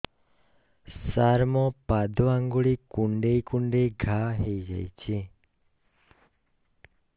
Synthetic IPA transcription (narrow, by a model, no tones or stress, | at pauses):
ssaɾmɔ̃pad̪ʱoãŋɡuɭikũɳɖejkũɳɖeɡʱaɦejd͡ʒa̰jt͡ʃʰe